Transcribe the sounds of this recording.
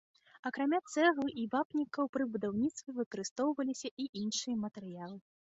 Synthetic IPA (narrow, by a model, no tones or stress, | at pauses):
ɐkɾamʲat̪sɛɣlˠɨʔibapnʲikɐwpɾɨbud̪awnʲit̪st̪ʲvʲɛvɨkɐɾɨst̪ɔwvɐlʲisʲɐʔiʔinʂɨjɐmɐt̪ɛɾɨjalˠɨ